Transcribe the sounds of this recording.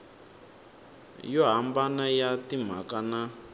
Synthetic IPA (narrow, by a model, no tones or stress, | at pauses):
jɔɦambanajatim̤a̰kana